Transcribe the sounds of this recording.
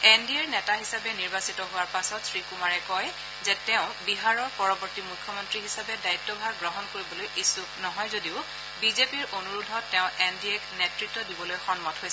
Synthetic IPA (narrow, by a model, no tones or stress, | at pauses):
endiɛɹnɛtaɦisabɛniɹbasitɔɦʊwaɹpasɔtsɹikumaɹɛkɔj | zɛtɛʊ̃biɦaɹɔɹpɔɹɔbɔɹtimukʰjɔmɔntɹiɦisabɛdaitːɔbʱaɹɡɹɔɦɔnkoɹibɔlojʔisuknɔɦɔjzodiʊ | bizepiɹʔonuɹudʱɔtːɛʊ̃ʔendiɛknetɹitːɔdibɔlojxɔnmɔtɦojsɛ